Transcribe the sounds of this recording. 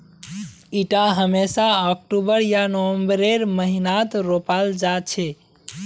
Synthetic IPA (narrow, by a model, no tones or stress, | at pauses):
iʈaɦəmesaək̚ʈubəɾjanəwəmbəɾeɾməɦinat̪ɾopald͡ʒat͡ʃʰɛ